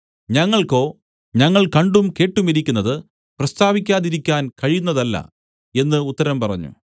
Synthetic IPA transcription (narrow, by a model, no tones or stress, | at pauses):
ɲɐŋːɐɭko̞ː | ɲɐŋːɐɭkɐɳɖumke̞ːʈːumiɾikʲːunːɐðɨ | prɐst̪ʰaːʋikʲːaːðiɾikʲːaːnkɐɻijunːɐðɐlːɐ̰ | e̞nːɨut̪ːɐɾɐmpɐrɐ̰ɲːṵ